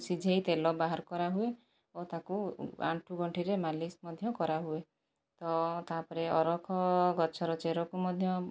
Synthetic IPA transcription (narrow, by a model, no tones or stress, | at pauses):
sid͡ʒʱejt̪elɔbaɦaɾkɔɾaɦue | ot̪akua̰ɳʈʰuɡɔɳʈʰiɾemalismɔd̪ʱjɔkɔɾaɦue | t̪ɔt̪apɔɾeɔɾɔkʰɔɡɔt͡ʃʰɔɾɔt͡ʃeɾɔkumɔd̪ʱjɔ